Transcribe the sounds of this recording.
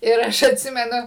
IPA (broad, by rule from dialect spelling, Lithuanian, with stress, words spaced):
ɪr ˈɐʃ ɐtʲˈsʲɪmʲɛnʊ